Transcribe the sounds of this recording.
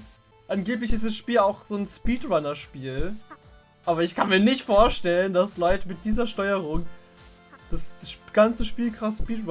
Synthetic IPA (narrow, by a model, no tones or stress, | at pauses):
ʔanɡeːp̬lɪçɪstd̥asʃpiːlaʊxz̥oːnspiːtʁanɐʃpiːl | ʔaːbɐɪçkʰanmiːɐnɪçtfoːɐʃtɛləndaslɔʏtəmɪt̚d̥iːzɐʃtɔʏəʁʊŋ | d̥asɡ̥ant͡səʃpiːlkʁ̥aspiːtʁ